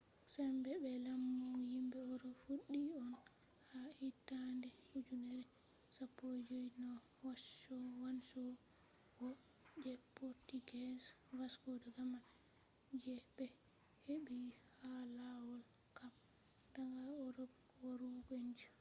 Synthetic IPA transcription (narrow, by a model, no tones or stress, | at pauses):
sɛmbɛbɛlamːuuhimbɛɔɾɔfuɗːiɔn | haitːandɛud͡ʒunɛɾɛ | sapːod͡ʒojnɔ | wasɔwansɔ | wɔ | d͡ʒɛpːɔɾtiɡɛns | waskɔdɔɡaman | d͡ʒɛbɛ | heɓihalawɔl | kam | daŋɡaɔɾɔb | waɾuɡɔɲd͡ʒa